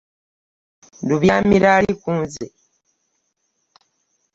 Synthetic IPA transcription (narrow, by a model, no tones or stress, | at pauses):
duβjaːmiɾaːlikuːnze